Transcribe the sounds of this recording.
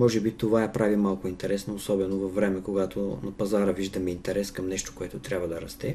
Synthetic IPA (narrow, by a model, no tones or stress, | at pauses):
mɔʒɛbit̪ovajɐpɾavimalˠkʊint̪ɛɾɛsnoːsɔbɛnovɐfːɾɛmɛkoɡat̪o̰nɐpɐzaɾəviʒd̪ɐmiint̪ɛɾɛskɐmnɛʃt̪o̥koɛt̪ot̪ɾʲabvɐd̪ɐɾɐst̪ɛ